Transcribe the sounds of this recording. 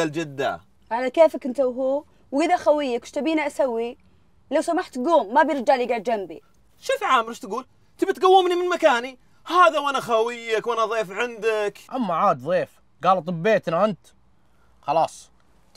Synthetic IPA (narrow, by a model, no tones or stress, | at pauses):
ald͡ʒɪd̪ːa̰ | ʕalakeːfakɪnt̪awɦuː | wʔɪðaxawɪjːakʃt̪abiːniʔasawːi | lawsamaħt̪ɡuːmːabjɪɾd͡ʒaʕliɡaʕd̪d͡ʒambḭ | ʃɪːfʕaːmɾiʃt̪ɡuːl | t̪ɪbat̪ɡawːɪmnimɪnmakaːni | haːðawʔanaxawɪjːakwʔanaðˤeːfʕɪnd̪akʔamːaʕaːd̪ðˤeːf | ɡaːlt̪ˤɨbːeːt̪naʔɪnt̪ | xɑlɑːsˤ